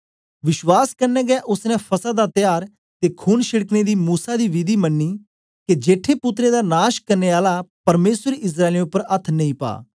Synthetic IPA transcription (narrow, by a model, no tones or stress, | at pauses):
ʋɪʃwaːskɐɾnɛ̃ːɡɛʔʊsnɛ̃pʰɐsad̪at̪jaːɾ | t̪ekʰuːnʃɪɽəkned̪iːmuːsad̪iːʋɪd̪iːmɐnːiː | ked͡ʒeːʈʰːepʊt̪ɾed̪anaːʃkɐɾneːaːlapɐɾmeːsəɾeɪs̬ɾaːelẽʊpːəɾɐt̪ʰːnɐ̃ĩːpa̰ː